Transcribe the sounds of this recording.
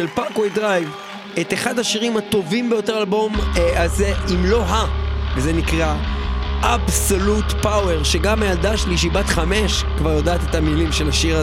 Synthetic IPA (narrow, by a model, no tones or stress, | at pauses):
ʃelpaʁkwojdʁajv | et̪eχadhaʃiʁimhato̞vimbe̞jo̞te̞ʁalbo̞mazeimlo̞ɦavezenikʁaʔabsolutpawe̞ʁʃe̞ɡamajaldaʃliʃ̬ibatχame̞ʃ | kvaʁjodaːt̪etamilimʃe̞laʃiʁa